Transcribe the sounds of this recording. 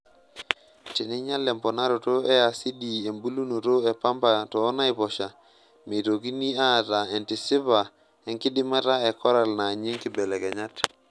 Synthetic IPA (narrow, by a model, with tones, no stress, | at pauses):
ti˨ni˦ɲa˦lɛ˨mpɔ˨na˦ɾo˨to˦e˦a˨si˦di˨e˨mbu˦lu˦no˨to˦e˨pa˦mpa˨tɔː˨˦na˦i˨pɔ˨ʃa˨ | me˨to˨ki˦ni˦a˦˨ta˨e˨nti˨sɪ˦pa˨ | ɛ˨˦ŋkɪ˦dɪ˦ma˦ta˦e˨kɔ˦ɾa˨lna˨ɲi˦ŋki˨bɛ˨lɛ˨kɛ˨ɲa˦t